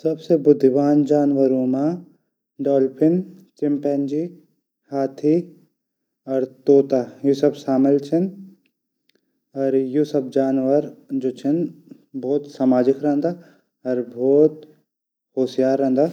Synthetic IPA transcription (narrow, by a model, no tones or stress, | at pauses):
sɐbsebʊd̪ʱʋaːnd͡ʒaːnʋəɾũːma | ɖɔːlpʰɪnt͡ʃɪmpɛnd͡ʒiː | haːt̪ʰi | ɔɾt̪oːt̪ajusɐbʃaːmɪlt͡ʃʰɪn | ɔɾjusɐb̚ʰd͡ʒaːnʋəɾd͡ʒoːt͡ʃʰɪn | bɔːt̪saːmaːd͡ʒɪkɾɐɦə̃nd̪aː | ɐɾbʱɔːt̪ | hoːsijaːɾɐ̃ɦənd̪aː